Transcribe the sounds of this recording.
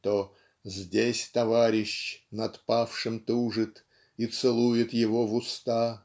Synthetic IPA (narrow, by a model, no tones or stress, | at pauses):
t̪o | zʲdʲesʲt̪ɐvaɾʲɪɕnɐt̪pafʂɨmt̪uʐɨt̪ | it̪sɨlˠujɪt̪jɪvovʊst̪a